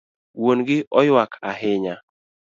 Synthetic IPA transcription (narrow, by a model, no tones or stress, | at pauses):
wonɡɪʔɔjwakʰaɦɪɲa